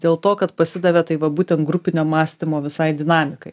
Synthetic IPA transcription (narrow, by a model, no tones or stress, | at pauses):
d̪ʲeːlˠt̪oːkɐt̪pɐsʲɪd̪ɐʋʲet̪ɐɪʋɐbuːt̪ʲɛnt̪ɡɾʊpʲɪnʲoːmɑːsʲt̪ʲɪmoːʋʲɪsɐɪd̪ʲɪnɑːmʲɪkɐɪ